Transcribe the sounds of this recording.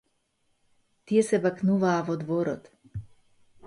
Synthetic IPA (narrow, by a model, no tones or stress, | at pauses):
t̪ijɛsɛbaknuvaːvɔd̪vɔɾɔ̰t̪